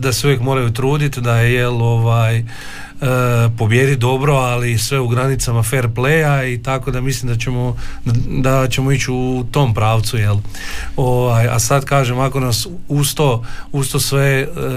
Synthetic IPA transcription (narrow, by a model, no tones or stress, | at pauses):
d̪aseuʋje̞kmo̞ɾajut̪ɾuːd̪it̪d̪aeje̞lo̞ʋaːj | po̞bje̞d̪id̪o̞bɾo̞alisʋe̞uɡɾanit̪samafe̞ɾplejait̪ako̞d̪amislimd̪at͡ʃemo | d̪at͡ʃe̞mo̞it͡ɕut̪o̞mpɾaːʋt̪suje̞lo̞ʋaja̰sad̪kaːʒemako̞nasust̪oust̪osʋe